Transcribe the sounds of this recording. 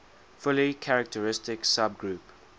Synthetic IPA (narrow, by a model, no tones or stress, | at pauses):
fʊlikʰaɹək̚tʰəɹɪstɪksab̚ɡɹuːp